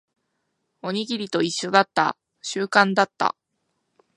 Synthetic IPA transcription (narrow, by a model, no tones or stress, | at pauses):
o̞ɲ̟iɡʲiɾʲit̪o̞iɕːo̞d̪at̪ːa̰ | ɕɨːkãnd̪at̪ːa̰